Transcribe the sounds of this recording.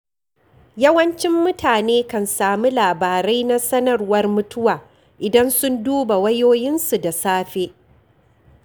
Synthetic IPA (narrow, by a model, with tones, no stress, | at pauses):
jɐ˦wɐ˦nt͡ʃɪ˦mːʊ˦tʰaː˨neː˦kɐ˨nsaː˨mu˦laː˨baː˨ɾa˦jna˦sɐ˦nɐ˦˨rwɐ˦rmʊ˦tʊ˦waː˨ | ʔɪ˨dɐ˦nsʊ˦nduː˦ba˨wɐ˦joː˦jɪ˦nsu˨da˨saː˦ɸe˦ʔ